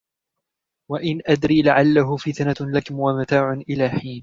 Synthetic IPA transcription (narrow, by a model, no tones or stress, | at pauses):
waʔɪnʔad̪ɾiːlaʕalːaɦʊfɪt̪analakʊmwamat̪aːʕʊnʔɪlaːħiːn